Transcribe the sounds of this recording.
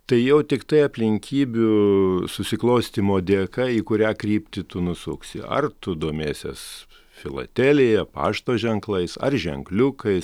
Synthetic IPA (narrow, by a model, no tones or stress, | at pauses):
t̪ɐɪjɛʊt̪ʲɪkt̪ɐɪɐpʲlʲɪŋʲkʲiːbʲʊsʊsʲɪklˠoʊsʲt̪ʲimoːd̪ʲeːkɐiːkʊɾʲæːkrʲiːpʲt̪ʲɪt̪ʊnʊsʊksʲɪ̰ɐ̰rt̪ʊd̪oɔmʲeːsʲḛs | fʲɪlˠɐ̰t̪ʲæːlʲejɛpɑ̰ːʃt̪oːʒʲɛŋklˠɐɪsɐ̰rʒʲɛ̰ŋklʲʊkɐɪs